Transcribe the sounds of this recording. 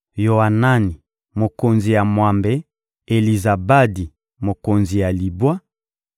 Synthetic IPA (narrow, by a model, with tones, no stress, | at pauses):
jo˨a˨na˦ni˨ | mo˨ko˨nzi˨ja˨mwa˨mbɛ˨ | e˨li˨za˨ba˦di˨ | mo˨ko˨nzi˨ja˨li˨bwa˦